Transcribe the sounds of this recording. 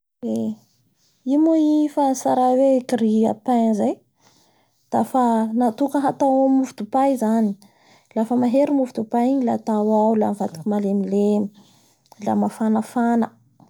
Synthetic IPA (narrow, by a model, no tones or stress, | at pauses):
e | imuifanisaɾawekiɾia̰pazaj | d̪̥afanat̪ukəɦat̪awammuvud̪upaizani̥ | lafəmaɦeɾimuvid̪upaiɲilat̪awawla̰mivat̪ḁkimalemilemi | la̰mafanəfanə